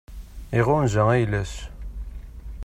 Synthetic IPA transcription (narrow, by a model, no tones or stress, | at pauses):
iʁʊnzææjlæs